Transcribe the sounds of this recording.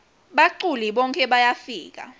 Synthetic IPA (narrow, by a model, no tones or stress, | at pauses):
ɓaǃuliɓɔŋkʰʼɛɓajafiːk̬a̰